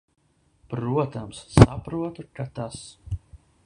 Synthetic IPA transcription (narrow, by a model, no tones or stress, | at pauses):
pɾuɔt̪amsːapɾuɔt̪ukat̪as